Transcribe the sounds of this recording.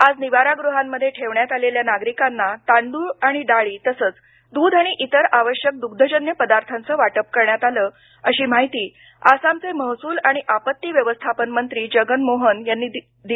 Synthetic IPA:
ad͡zniʋaɾaɡɾuɦamːəd̪ʱːjeʈʰeʋɳjat̪aleljanaɡɾikanːat̪aɳɖ̪uːɭaɽ̃iɖaɭiːt̪əsəːt͡s | d̪uːd̪aɽ̃iʔit̪əɾaʋəɕjək̚d̪uɡ̚d̪ʱəd͡ʑənjəpəd̪aɾt̪ʰant͡səːʋaʈəp̚kəɾɳjat̪aləː | əɕiːm̤aɦit̪iː | asamt͡seməɦsuːlaɽ̃iʔapət̪ːiːʋjəʋəst̪ʰapənmənt̪ɾiːd͡ʑəɡənmoɦənjanːiː | d̪i

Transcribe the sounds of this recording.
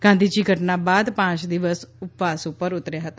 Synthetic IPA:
ɡ̥ãːnd̪id͡ʒiːɡʱəʈnabaːd̪pãːt͡ʃd̪ɪʋəsʊpʋaːsʊpːəɾʊt̪ɾjaɦət̪a

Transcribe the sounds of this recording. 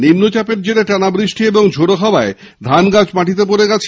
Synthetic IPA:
nimnot͡ɕapeɾd͡ʑeɾeʈanabɾiʃʈieboŋd͡ʑʱoɾoɦɔoae | d̪ʱanɡad͡ʑmaʈit̪̬ep̬oɾeɡat͡ɕʰ

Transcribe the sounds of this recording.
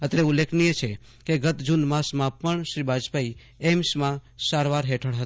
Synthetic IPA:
ət̪ɾeʊlːekʰnijet͡ʃʰe | keɡət̪d͡ʒunmãsmãpəɳʃɾibad͡ʒpai | emsmãsaːɾʋaɾɦeʈʰəɽɦət̪

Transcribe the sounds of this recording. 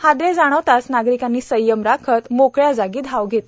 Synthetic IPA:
had̪ɾed͡zaɽ̃əʋt̪asnaɡɾikanːiːsəjːəmɾakʰət̪mokɭjad͡zaɡiːd̪ʱaʋɡʱet̪

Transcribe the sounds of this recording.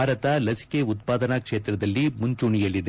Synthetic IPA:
aːɾɐt̪ɐlɐsi̥keut̪paːd̪ɐnɐkʂeːt̪ɾɐd̪ɐlːimuɲt͡ʃuɳijɐlːid̪e

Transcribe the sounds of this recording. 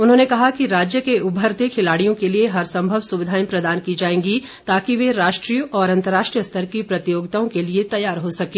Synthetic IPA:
ʊnɦõːnekɐɦakiɾaːd͡ʒjəkeʊbʱɦəɾt̪ekʰɪlaːɽijõkelieɦɐɾsɐ̃mbʱəʋsʊʋɪd̪ʱaːĩpɾɐd̪aːnkid͡ʒaːẽːŋɡi | t̪aːkiʋeɾaːʃʈɾijoʔɔːɾɐ̃nt̪əɾaːʃʈɾijəst̪ʰəɾkipɾɐt̪ijoːɡɪt̪aːõkeliet̪ɐjːaːɾɦosɐkeː

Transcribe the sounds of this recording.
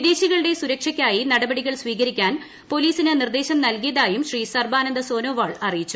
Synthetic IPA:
id̪e̞ːɕiɣɐɭɨɽe̞suɾɐkʂɐkʲːaːjinɐɽɐbɐɽiɣɐɭsʋiːɣɐɾikʲːaːn | po̞liːsinɨnird̪e̞ːɕɐmnɐlkijɐðaːjumɕriːsɐrbaːnɐnd̪ɐso̞ːno̞ːʋaːɭɐrijit͡ɕːu

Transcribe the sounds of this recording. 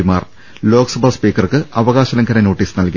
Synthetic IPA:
imaːr | lo̞ːksɐbɐrspiːkːɐrkɨɐʋɐɣaːɕɐlɐŋkʰɐɾɐno̞ːʈːiːsɨnɐlki

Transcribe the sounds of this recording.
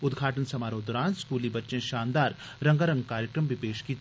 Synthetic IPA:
ʊd̪ɡʱaːʈənsɐmaːɾoːd̪ɾaːnskuːlibɐtːʃẽʃaːnd̪aːɾ | ɾɐ̃ŋɡaɾɐ̃ŋɡkaːɾjəkɾəmbʱipeːʃki

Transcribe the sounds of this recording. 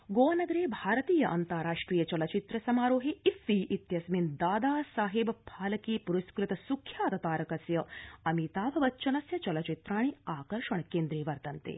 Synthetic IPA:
ɡoːɐnɐɡɐɾeːbʱaːɾɐt̪iːjɐʔɐ̰nt̪aːɾaːʂʈɾiːjɐt͡ʃɐlɐt͡ʃit̪ɾɐsɐmaːɾoːɦeifːiːʔit̪jɐsmind̪aːd̪aːsaːɦebɐpʰaːlɐkiːpuɾuskɾɪt̪ɐsukʰːjaːt̪ɐt̪aːɾɐkɐsjɐɐmit̪aːʋɐʋɐtːʃɐnɐsjɐt͡ʃɐlɐt͡ʃit̪ɾaːɳ̃iaːkɐɾʂɐɳɐkeːnd̪ɾiːʋɐɾt̪ɐnt̪ḛː

